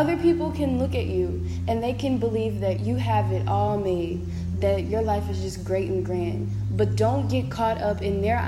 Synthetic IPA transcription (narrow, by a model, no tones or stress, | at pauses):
ʌðə˞pʰipl̩ˠkʰɨ̃nlʊkɨt͡ʃʉ | ʔɨ̃nðeɪkʰɨ̃nbəlivðɨt͡ʃɨəvɨɾɔlˠmeɪd | ðɨt͡ʃə˞laɪfɨzd͡ʒʌsɡ̥ɹeɪɾn̩ɡɹæ̃nd̚ | b̥ʌt̚d̥õʊ̃nɡ̥ɛt̚kʰɔɾʌpɨ̃nðə˞